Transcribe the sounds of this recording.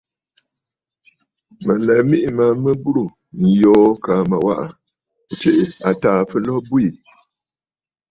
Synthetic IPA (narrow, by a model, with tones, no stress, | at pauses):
mə˨lɛ˨mi˦ʔi˨ma˨˦mə˦bu˦ɾu˨ | n̩˨jɔː˨˦ka˨ma˨wa̰˦ʔa̰˨ | t͡ʃe˦ʔe˨a˨taː˦˨fə˦lɔ˦bu˦i˨